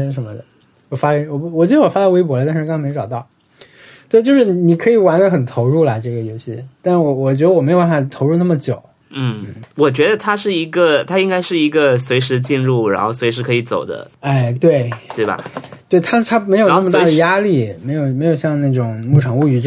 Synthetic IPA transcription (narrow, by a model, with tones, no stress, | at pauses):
ʂə˧˥nmə˧d̪ə˩ | wɔ˨˩fa˥jɛ˥wɔ˨˩wɔ˨˩t͡ɕjo˧˥d̪ə˧˥wɔ˨˩fa˥d̪a˥we˥ɪpwɔ˧˥lə˧t̪̬a˥˧˥kʰm˧˥ɪʈ͡ʂɑ˨˩ʊt̪ɑ˥˩ʊ | t̪we˥˧ɪt͡ɕjo˥˧ʊʂɻ̩˥˩˧ni˨˩kʰɤ˧˥i˨˩wa˧˥nlə˧˥xə˨˩nt̪ʰo˧˥ʊɻu˥˩ləɐ˨˩ʈ͡ʂɤ˥˩ɡə˩jo˧˥ɕi˥˧t̪a˥˧nʂ̩˥˩wɔ˧˩wɔ˨˩t͡ɕɥɛ˧˥d̪ə˧wɔ˨˩me˧˥ɪjo˨˩pa˥˩fɑ˨˩t̪ʰo˧˥ʊɻu˥˧na˥˩ə˩t͡ɕjo˨˩˦ʊ | n̩˥˩n̩˥˩wɔ˨˩t͡ɕɥɛ˧˥d̪ə˧t̪ʰa˥ʂɻ̩˥˩i˧˥ɡə˧t̪ʰa˥i˥ŋka˥ɪʂɻ̩˥˩i˧˥ɡə˧swe˧˥ɪʂɻ̩˧˥t͡ɕi˥˧nɻu˥˩ɻa̰˧˥nxo˥˩ʊswʂɻ̩˧˥kʰɤ˧˥i˧˥t͡so˨˩ʊd̪ə̰˦ | a˥˩ɪt̪we˥˩ɪt̪we˥˩ɪbɐ̰˩t̪we˥˩ɪt̪ʰa˥t̪ʰa˥me˧˥ɪjnn˥˩mə˧t̪a˥˩d̪ə˩ja˥li˥˩me˧˥ɪjo˨˩ʊm˧˥ɪjo˨˩ʊɕjɑ˥˧ŋna˥˩ʈ͡ʂʊ˨˩ŋmu˥˩ʈ͡ʂʰɑ˨˩ŋu˥˩y˧˥ʈ͡ʂ